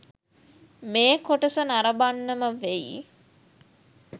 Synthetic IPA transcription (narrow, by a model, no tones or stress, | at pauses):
meːkoʈəsənaɾəbanːəməʋeḭ